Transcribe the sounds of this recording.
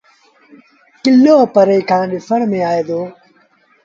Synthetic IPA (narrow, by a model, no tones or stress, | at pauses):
kɪlːoːəpəɾeikʰãːɗɪfəɳmẽːaːeːd̪oː